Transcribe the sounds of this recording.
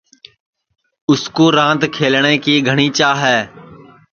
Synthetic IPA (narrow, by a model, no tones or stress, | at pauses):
ʊskoːɾãːt̪kʰeːlɳ̃eːkiːɡʱəɽ̃iːt͡ʃaːɦɛː